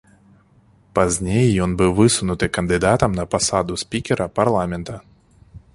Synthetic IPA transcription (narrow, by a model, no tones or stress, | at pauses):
pazʲnʲejjɔnbɨwvɨsunut̪ɨkɐnd̪ɨd̪at̪ɐmnɐpasad̪usʲpʲikʲɛɾɐparlˠamʲɛnt̪ɐ